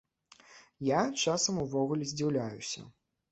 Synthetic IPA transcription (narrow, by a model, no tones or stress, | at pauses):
jat͡ʂasɐmuvɔɣulʲɛzʲd͡zʲiwlʲajusʲɐ̰